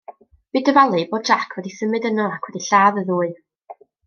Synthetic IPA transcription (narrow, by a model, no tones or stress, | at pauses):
b̥ɨdəvalˠɨboːd̚d͡ʒakʰwɛdisəmɨdənaakʰwɛdiɬaːðəðuːɨ